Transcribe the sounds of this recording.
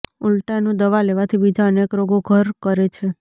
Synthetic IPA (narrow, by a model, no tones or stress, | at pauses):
ulʈanũd̪əʋaleʋat̪ʰibid͡ʒaənekɾoɡoɡʱəɾkəɾet͡ʃʰe